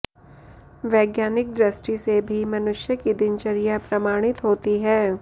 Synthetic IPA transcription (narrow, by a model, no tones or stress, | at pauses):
ʋɛːɡjaːnɪk̚d̪ɾɐsʈisebʱimɐnʊʃjəkid̪ɪnt͡ʃɐɾijapɾɐmaːɽ̃ɪt̪ɦoːt̪iɦɛː